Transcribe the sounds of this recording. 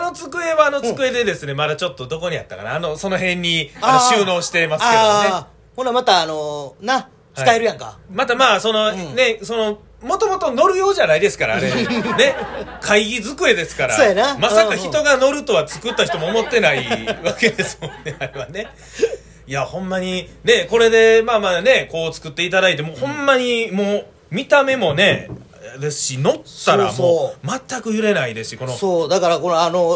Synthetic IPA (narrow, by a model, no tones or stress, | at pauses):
no̞t͡sɨkɯ̟e̞βaːno̞ɨ̥kɯ̟e̞d̪e̞d̪e̞sɨne̞mad̪at͡ɕo̞t̪ːo̞d̪o̞ko̞ɲ̟ia̰t̪ːaka̰na̰ːno̞so̞no̞ɦẽ̞ɲ̟ʲːianoɕɨːno̞ːɕi̥t̪e̞masked̪ne | hõamat̪aːnona | t͡sɨkaeɾɯ̟jãŋka̰mat̪amaːso̞no̞ne̞so̞no̞ | mo̞t̪o̞mo̞t̪o̞no̞ɾɯ̟jo̞ːʑanaid̪e̞sɨ̥kaɾa̰ːɾenekʰaiɡʲizɨkɯ̟e̞d̪e̞sɨ̥kaɾa̰ojanamasakaçit̪o̞ɡano̞ɾɯ̟t̪o̞βat͡sɨ̥kɯ̟t̪ːaçi̥t̪o̞mo̞ːmo̞t̪ːe̞naiβake̞d̪e̞sɨmõ̞nːe̞aɾe̞βane̞ | jahõ̞mːaɲ̟ine̞ko̞ɾe̞d̪e̞maːmaːne̞ko̞ːt͡sɨ̥kɯ̟t̪ːe̞it̪ad̪ait̪emoːhõ̞mːaɲ̟imo̞ː | mʲit̪ame̞mo̞ne̞ | d̪esɨ̥ɕino̞t̪ːaɾːa̰mooːmat̪ːakɯ̟jɯ̟ɾe̞naid̪esɨ̥ɕiko̞no̞soːd̪akaɾakonano